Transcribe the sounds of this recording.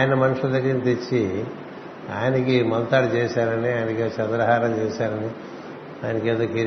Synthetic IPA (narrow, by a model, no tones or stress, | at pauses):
jɐnɐmɐnuʂuld̪ɐɡːɾinit̪et͡ʃːi | a̰ːjinɐkimɐlt̪aːɽut͡ʃɛːʃaːɾɐniaːjnɐket͡ʃɐd̪ɾɐɦaːɾɐmt͡ʃɛːʃaːɾɐni | aːjnɐkeːd̪oːkiɾ